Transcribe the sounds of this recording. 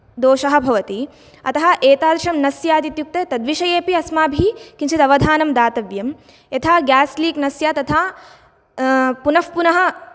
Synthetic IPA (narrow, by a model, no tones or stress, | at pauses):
d̪oːʃɐɦɐ̆bʱɐʋɐt̪i | ɐt̪ɐɦɐ̆ʔeːt̪aːd̪ɾɐʃɐmnɐsjaːd̪it̪juk̚t̪et̪ɐd̪ʋiʃɐjeːpiɐsmaːbʱikinʃit̪ɐʋɐd̪ʱaːnɐmd̪aːt̪ɐʋjɐm | jɐt̪ʰaːɡaːsliːknɐsjaːt̪ɐt̪ʰaː | punɐfpunɐɦɐ̆